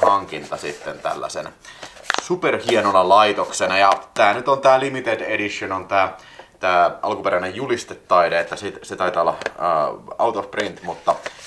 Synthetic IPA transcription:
hɑŋkint̪ɑsit̪ːent̪æ̰lːæ̰sḛnæ | superhienonɑlɑit̪oksenɑjɑt̪æːnyt̪ont̪æːlimit̪edeɾiʃːonont̪æː | t̪æːʔɑlkupeɾænejjulist̪et̪ːɑideet̪ːæsit̪set̪ɑit̪ɑolːɑə̰ːɑut̪ofprint̪mut̪ːɑ

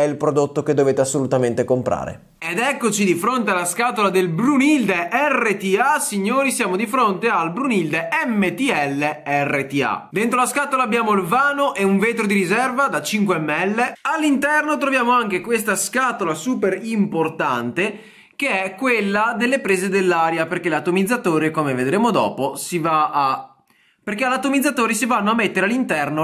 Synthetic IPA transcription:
ɛilpɾod̪ot̪ːoked̪ːoveːt̪easːolut̪ament̪ekompɾa̰ːɾḛ | ed̪ɛkːot͡ʃid̪ifɾont̪ealːaskaːt̪olad̪elbɾunild̪eʔɛrːet̪iasiɲːoːɾisjaːmod̪ifɾont̪ealbɾunild̪eɛmːet̪iɛlːeɛrːet̪ia̰d̪ent̪ɾolaskaːt̪olaːbjaːmoilvaːnoʔɛuɱveːt̪ɾod̪iɾizɛrvad̪at͡ʃiŋkweɛmːɛlːealːint̪ɛrnot̪ɾovjaːmoaŋkekwest̪askat̪olasuːpeɾimport̪ant̪e | keɛkːwelːad̪elːepɾeːzed̪elːaːɾjaperk̟elat̪ːomid̪zːat̪oːɾekomeved̪ɾeːmod̪ɔ̰ːposivaa | perkealat̪ːomid̪zat̪oːɾisivanːoamːet̪ːeɾealːint̪ɛrno

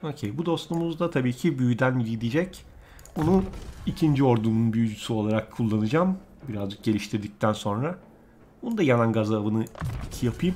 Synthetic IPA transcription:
o̞ːcʰejbud̪o̞st̪umuzd̪at̪ʰabiːcʰibyjyd̪ænjid̪id͡ʒɛc | onuicʰind͡ʒio̞ɾd̪umunbyjyd͡ʒysyo̞lˠaɾakʰːulˠːanɯd͡ʒam | biɾazd͡ʒɯk̚ɟe̞lʲiʃt̪ʰiɾd̪ic̚t̪ʰænso̞nɾa | bonund̪ajananɡazaːbɯnɯicʰijapʰɯjɯm

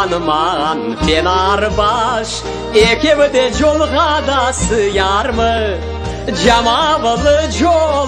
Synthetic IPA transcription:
nəmɑʁɑnfenɑɾəbɑʃ | ekʲewɪd̪eʒo̞lˠʁɑd̪ɑsəjɑɾmə | ʒɑmɑbəlˠəʒo

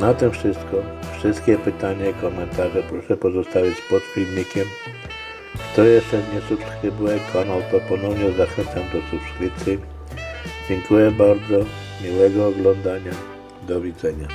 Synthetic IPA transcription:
nat̪ɛ̃fʂɘst̪kɔfʂɘst̪kʲɛpɘt̪aɲaikɔmɛnt̪aʐɛpɾɔʂɛpɔzɔst̪avʲit͡ɕpɔt̪fʲilɲikʲɛm | kt̪ɔjɛsɛvɲɛsupsxɘbuɛkʰanawpɾɔpɔnɔvɲɛzaxɛnt̪samd̪ɔsupʂvʲit̪sɘ | d͡ʑɛŋkujɛbaɾd̪zɔ | mʲiwɛɡɔːɡlɔnd̪aɲa | d̪ɔvʲid̪zɛɲa

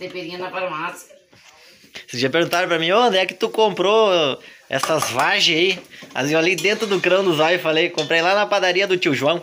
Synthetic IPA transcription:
t̪epeɾĩɲɐnɐpaɾɐ̃mas | sɪt͡ʃiɐpeɾɡũnt̪aɾpɾɐmĩõnd̪ɛkɪ̥t̪ukõmpɾo | ɛ̰sɐzvaʒɪ̃aia̰zewalejd̪ẽnt̪ɾʊd̪ʊkɾɐ̃w̃d̪ʊzɔjɪfalejkõmpɾejlanɐpad̪aɾiɐd̪ʊt͡ʃiwʒuɐ̃w̃

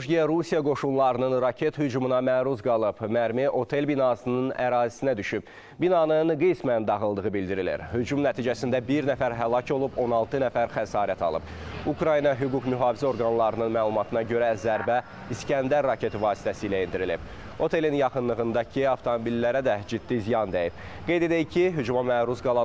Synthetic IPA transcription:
ʒɡiɛɾusijɑɡo̞ʃunlˠɑɾɯnɯnɾɑcʰe̞t̪hyd͡ʒumunɑmæːɾuzɡɑlˠɯbmæɾmiʔo̞t̪ʰe̞lbinɑsɯnɯnæɾɑːzisinæd̪yʃyb̚ | binɑnɯnɡismænd̪ɑɣɯlˠd̪ɯʁɯbild̪iɾilḭɾhyd͡ʒumnæt̪ʰiːd͡ʒæsind̪æbiɾnæfæɾɦælˠɑco̞lˠubo̞nɑlˠt̪ʰɯnæfæɾχæsɑːɾæt̪ʰɑ̰lˠɯ̰pukɾɑjinɑɦyɡukmyɦɑːvizæo̞ɾɡɑnlˠɑɾɯnɯnmæːlˠumɑt̪ʰɯnɑɟø̞ɾæzæɾbæ | iscænd̪æɾːɑcʰe̞t̪ivɑːsi̥t̪ʰæsiːlæind̪iɾilib̥ | o̞t̪ʰe̞linjɑχɯnlˠɯɣɯnd̪ɑcʰiɑft̪ʰo̞mobilːæɾæd̪æd͡ʒid̪ːizijɑnd̪ejib̥̚ | ɡ̥e̞jd̪e̞d̪æjicʰiɦyd͡ʒumɑmæːɾuzɡɑlˠɑ

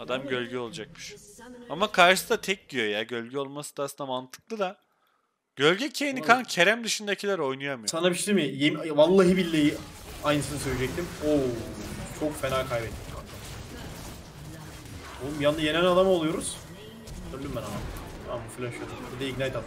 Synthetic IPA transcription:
ad̪amɟø̞lʲɟyo̞lˠad͡ʒak̚mɯʃamakʰaɾʃɯsɯd̪at̪ʰɛc̚bijo̞jaɟø̞lʲɟɛo̞lˠmasɯ̥d̪asɯnd̪amant̪ʰɯ̥k̚lˠɯd̪a | ɟ̥ø̞lʲɟɛcʰejinikʰancʰe̞ɾæmd̪ɯʃɯnd̪acʰilʲæɾo̞jnujamɯjsanabiʃd̪imɪjemvalˠːaɦibilʲːejiajnɯsɯnɯsøjɾʲid͡ʒɛc̚t̪ʰimo | t͡ʃʰo̞kfeɾaːkʰajbɛt̪̚miʃakt̪a | omjanajenɛnad̪amolˠujo̞ɾuz̥ | t̪ʰøɾld̪ʲymbɛnamaamufilʲaʃɯjod̪umbid̪ɛiɡnajɛt̪ʰad̪

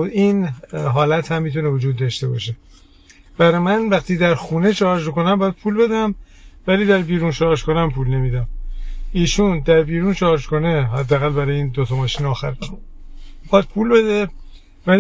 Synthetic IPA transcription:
inɦɒːlæt̪hæmːit̪ʰunevod͡ʒuːd̪ːɒːʃt̪e̞bɒ̰ːʃe̞ | bæɾɒmænvæxt̪ʰiːd̪æɾxuːneʃɒʃmiko̞næmbɒːjæd̪̥̚pʰuːlbe̞d̪æm | væliːd̪æɾbiːɾuːnʃɒʃkonæmpʰuːlne̞miːd̪æmiːʃund̪æɾbiːɾuːnʃɒːʃko̞neɦæd̪ːææɣælbæɾɒjeiːnd̪ot̪ʰɒmɒːʃiːnɒːxæɾ | iɒd̪̚pʰuːlbe̞d̪e | væl

